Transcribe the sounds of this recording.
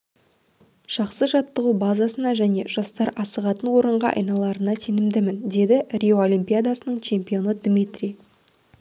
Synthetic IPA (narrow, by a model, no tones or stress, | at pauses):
ʒ̥ɑqsəʒɑt̪ːəʁubazasənɑʒæne̞ʒɑst̪ɑɾɑsəʁɑt̪ənwo̞ɾəɴʁɑ̰ʔɑ̰jnɑlˠɑɾənɑt̪ʰenɪmd̪ɪmɪnd̪e̞d̪ɪrʲioolʲimpʲijad̪asənəɴt͡ʃʰe̞mpio̞nəd̪mit̪rʲi